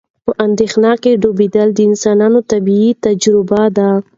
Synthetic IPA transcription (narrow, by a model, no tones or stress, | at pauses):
pəʔand̪exnɑkeɖobed̪əld̪əɪnsɑnɑnot̪abiit̪ad͡ʒɾɪbad̪a